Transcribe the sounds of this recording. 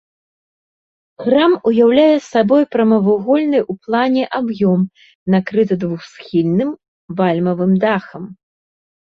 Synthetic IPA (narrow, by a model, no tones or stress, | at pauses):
ɣɾamujawlʲajɛsabɔjpɾɐmɐvuɣɔlʲnɨjʔuplˠanʲɛʔabjɔm | nakɾɨt̪̬ɐd̪vuxsxʲilʲnɨm | valʲmɐvɨmd̪axɐm